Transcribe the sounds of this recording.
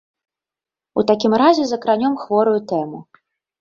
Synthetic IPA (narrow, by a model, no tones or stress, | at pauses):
ut̪akʲimɾazʲɛzɐkɾanʲɔmxvɔɾujut̪ɛmu